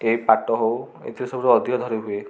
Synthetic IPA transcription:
ejpaʈɔɦow | ḛt̪ʰiɾesɔbʱuɾeɔd̪ʱiɔd̪ʱɔɾiɦue

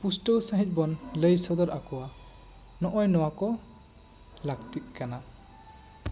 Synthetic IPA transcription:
pustəwsaɦit̪̚ˀbɔnləjsɔd̪ɔɾakɔwa | nɔʔɔjnɔwakɔ | lak̚tiʔ̚kana

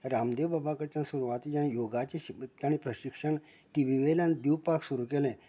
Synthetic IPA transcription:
ɾamd̪eʋbabakəɾt͡ɕãsuɾuʋat̪ijãjoɡat͡ɕiɕit̪ːaɽ̃ipɾəɕikʂəɳ | ʈiʋiʋelãnd̪iwpaksuɾukelẽ

